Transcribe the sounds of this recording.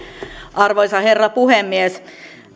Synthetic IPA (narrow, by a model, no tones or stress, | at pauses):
ʔɑrʋoisɑherːɑpuhemːies